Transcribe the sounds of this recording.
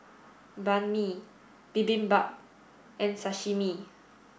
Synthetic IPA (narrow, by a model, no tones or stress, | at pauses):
banmi | b̥ibĩnbap̚ | ʔɛ̃nsaʃimi